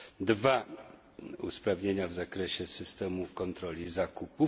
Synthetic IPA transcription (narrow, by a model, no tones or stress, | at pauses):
d̪va | ṵspɾavɲeɲavzakɾɛɕɛsɘst̪ɛmukɔnt̪ɾɔlʲizakupu